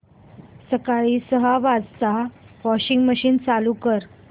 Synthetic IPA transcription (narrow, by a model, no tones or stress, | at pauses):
səkaɭiːsəɦaʋad͡zt͡saʋɔɕiŋɡməɕiːnt͡salukəɾ